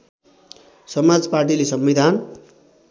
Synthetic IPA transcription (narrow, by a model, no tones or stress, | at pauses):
sʌmad͡zparʈ̬ilesʌmbid̪ʱan